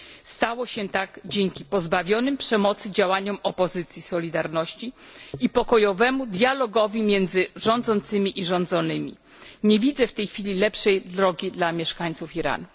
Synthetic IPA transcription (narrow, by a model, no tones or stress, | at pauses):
st̪awɔɕɛt̪aɡd͡ʑeŋkʲipɔzbavʲjɔnɘmpʂɛmɔt̪sɘd͡ʑawaɲɔmɔpɔzɘt̪sʲjisɔlʲid̪aɾnɔɕt͡ɕiipɔkɔjɔvɛmud̪ʲjalɔɡɔvʲimʲjɛnd̪zɘʐɔnd̪zɔnt̪sɘmʲiʔiʐɔ̃nd̪zɔnɘmʲḭ | ɲevʲid̪zɛft̪ɛjxfʲilʲilɛpʂɛjd̪ɾɔɡʲid̪lamʲjɛʂkaɲt̪sufiɾa̰nu